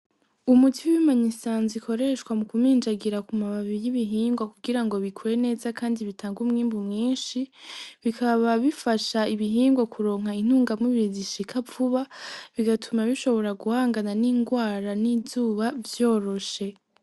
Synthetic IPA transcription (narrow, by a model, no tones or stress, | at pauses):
umutiwimaɲisaːnzikʰo̞ɾe̞ʃkwamukumiːnd͡ʒaɡiɾakumaβaβijiβiɦiːŋɡwakuɡiɾaŋɡo̞βikʰuɾe̞ne̞ːzakaːndiβitʰaːŋɡumŋiːmbumŋiːnʃiβikʰaβaβifaʃaiβiɦiːŋɡwakuɾo̞ːŋɦain̥uːŋɡamŋiβiiziʃikʰavuβaβiɡatʰumaβiʃo̞βo̞ɾaɡuhaːŋɡananiːŋɡwaːɾanizuːβavjo̞ːɾo̞ʃe̞